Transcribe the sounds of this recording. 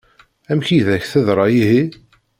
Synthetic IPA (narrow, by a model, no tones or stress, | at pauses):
æmçiðæçθəðɾˤɑjiɦi